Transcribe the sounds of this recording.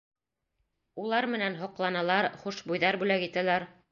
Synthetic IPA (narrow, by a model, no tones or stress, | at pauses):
ulˠɑɾmɘ̆nænɦŏqlˠɑnɑlˠɑɾχuʃbujðɑɾbʉlækit̪ælæɾ